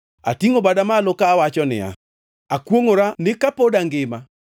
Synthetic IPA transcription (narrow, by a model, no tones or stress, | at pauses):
a̰tiŋobadamalɔkaːwat͡ʃɔnɪ̰a̰ | akwoŋoɾanɪkapodaŋɡɪma